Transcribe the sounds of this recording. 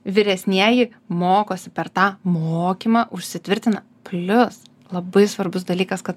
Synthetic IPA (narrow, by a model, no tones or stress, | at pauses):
ʋʲɪɾʲɛsʲnʲiɛjɪ | moːkoːsʲɪpʲɛɾt̪ɑːmoːkʲiːmɑʔʊʃʲsʲɪt̪ʲʋʲɪɾʲt̪ʲɪnɐ | pʲlʲʊs | lˠɐbɐɪsʋɐɾbʊsd̪ɐlʲiːkɐskɐt̪